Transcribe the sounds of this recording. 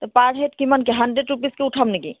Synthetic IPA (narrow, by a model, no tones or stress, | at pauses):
t̪ɔpaɾɦet̪kimənkeɦɐɳɖɾeɖɾupiskeuʈʰəmniki